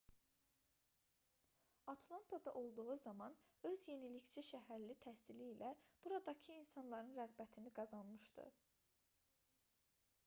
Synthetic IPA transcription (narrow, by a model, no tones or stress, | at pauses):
ɑt̪ʰlˠɑnt̪ʰɑd̪ɑʔo̞lˠd̪uʁuzɑmɑnø̞zje̞nilict͡ʃʰiʃæɦæɾlit̪ʰæst̪iliːlæb̥uɾɑd̪ɑcʰɯinsɑnlˠɑɾɯnɾæɣbæt̪ʰiniɡɑzɑnmɯʃd̪ɯ̰